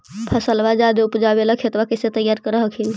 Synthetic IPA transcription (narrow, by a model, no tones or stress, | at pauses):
pʰəsəlbad͡ʒad̪oupd͡ʒabelakʰet̪ʋakeset̪əjaɾkəɾəɦəkʰil